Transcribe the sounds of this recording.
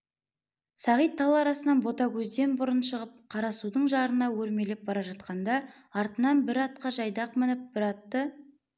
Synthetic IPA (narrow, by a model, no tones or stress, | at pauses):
sɑʁijt̪ʰːɑlˠɑɾɑsənɑnbo̞t̪ɑkʲʰɵzd̪e̞nbʊɾənʃəʁəp̚qʰɑɾɑsud̪əɴʒɑɾənɑwɵɾme̞lep̚bɑɾɑʒɑt̪̚qɑnd̪ɑ | ɑɾt̪ənɑnbɪɾɑt̪̚qɑʒɑjd̪ɑq̚mɪnɪp̚b̥ɪɾɑt̪ːə